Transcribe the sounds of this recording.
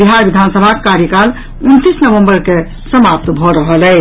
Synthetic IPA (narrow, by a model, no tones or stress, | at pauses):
biɦaɾbid̪ʱansəbʱakekaɾjəkal | unt̪isnəʋəmbəɾke | səmap̚t̪bʱɔɾəɦəlɛ